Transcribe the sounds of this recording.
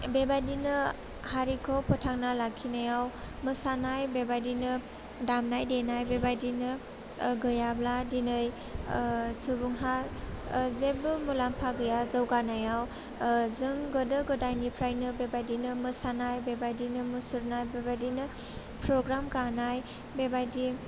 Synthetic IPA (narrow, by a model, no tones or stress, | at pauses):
bebadinɯ | haɾikʰɔpɔtʰaŋnalakʰːinajaw | mɯsanajbebadinɯ | damnajdenajbebajdinɯ | ɡɯjabladinɯj | subuŋɦa | zebɯmulampʰaɡɯjazɯwɡanajaw | zɯŋɡɯdɯɡɯdajnipʰɾajnɯbebajdinɯmɯsanajbebajdinɯmɯsuɾnajbebajdinɯ | pɾɔɡɾamkanaj | bebajdi